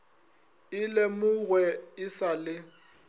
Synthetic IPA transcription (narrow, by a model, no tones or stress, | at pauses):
ɪlemʊɣwɛɪsalɪ